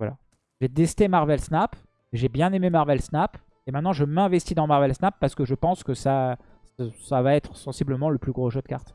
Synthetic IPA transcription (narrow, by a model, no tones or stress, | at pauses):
vwala̰ | ʒɛd̪ɛst̪emaʁvɛlsnap | ʒebjɛ̃nememaʁvɛlsnap | emɛ̃t̪nɑ̃ʒəmɛ̃vɛst̪id̪ɑ̃maʁvɛlsnapːaʁsə̥kəʒəpɑ̃skəsa | ssavaɛt̪χəsɑ̃sibləmɑ̃ləplyɡʁoʒəd̪ka̰ʁt̪